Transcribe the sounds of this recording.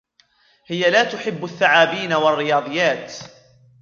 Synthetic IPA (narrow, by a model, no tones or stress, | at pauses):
hɪjalaːt̪ʊħɪbːaθːaʕaːbiːnawarːɪjɑːd̪ˤɨjːaːt̪